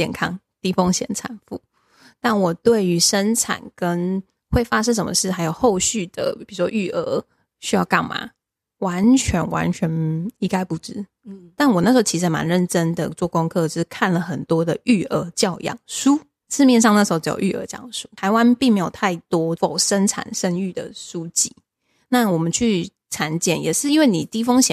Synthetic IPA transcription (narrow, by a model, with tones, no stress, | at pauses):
t͡ɕjɛ̰˥˩nkʰɑ˥ŋ | t̪i˥fo˥ŋɕjɛ̰˧˩nt͡sʰa̰˨˩nfṵ˥˩˦ | t̪a˥˩nwɔ˨˩t̪we˥˩ɪy˧˥ʂə˦˥nʈ͡ʂʰa̰˨˩nkə˦n | xwe˥˩ɪfa˥ʂɻə˥ʂ̬ə˨˩mə̰˨ʂɻ̩˥˩xa˧˥jo˨˩ʊxo˥˧ʊɕy˥˩d̪̥ə̰˩pi˨˩u˨˩ʂwɔ˥ʔy˥˩ʔə˧˥˦ | ɕy˥jɑ˥˧ʊkɑ̰˥˩ŋma̰˨˩ | wa˧˦nt͡ɕʰɥɛ˧˦˥nwa̰˧˦nt͡ɕʰɥɛ˧˥ni˥ŋka˥ɪpu˧˩ʈ͡ʂɻ̩˦˥ | t̪a˥˩nwɔ˨˩n˥˩ʂ̩˧˥t͡ɕʰi˧˥ʂ̬̩˧˥˦ma̰˧˦nɻə˥˩nʈ͡ʂə˦nd̪ə̰˨t͡swɔ˥˩kʊ˥ŋkʰɤ˥˧˥kʰa˥˩nlə˩xə˨˩nt̪wɔ˥d̪ə˨y˥˩ə˧˥t͡ɕjɑ˥˧ʊjɑ̰˥˩ŋsu˥ | sʰɹ̩˥˧mjɛ˥˧nʂ̬ɑ˥˧ŋna˥˩ʂ̩˧˥o˥ʊʈ͡ʂ̩˧˥jo̰˨˩y˥˩ə̰˧˥ʈ͡ʂə˥jɑ̰˥˩ŋ˩ʂu̥˥t̪ʰa˧˥ɪwa˦npi˥˩ŋme˧˥jo˨˩ʊt̪ʰa˥˩ɪt̪wɔ˥fo˨˩ʊʂə˥nʈ͡ʂʰa̰˨˩nʂə˥ŋy˥˩d̪ə̰˩su˥t͡ɕi˥˩ | na˥˩wɔ˨˩mə˨˦nt͡ɕʰy˥˩ | t͡sʰa˧˥nt͡ɕjɛ̰˨˩njɛ˨˩ʂɻ̩˥˩i˥nwe˥˩ɪni˨˩t̪i˥˩fɤ˥ŋɕjɛ̰˨n